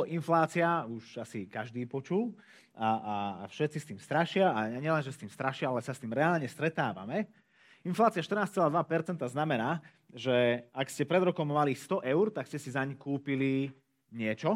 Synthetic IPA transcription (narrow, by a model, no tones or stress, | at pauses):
inflaːt͡siauʃasikaʒd̪iːpɔt͡ʃul | aʔaa̰fʃɛt̪t͡sist̪iːmst̪ɾaʃɪaaɲɪɛlɛnʒɛst̪iːmst̪ɾaʃɪaalɛsast̪iːmɾɛaːlɲɛst̪ɾɛt̪aːʋa̰mɛ | inflaːt͡sɪaʃt̪rnaːst͡sɛlaːd̪ʋapɛɾt͡sɛnt̪aznamɛnaː | ʒɛakscɛpɾɛd̪ɾɔkɔmːalist̪ɔʔɛʊɾt̪akscɛsizaɲkuːpili | ɲɪɛt͡ʃɔ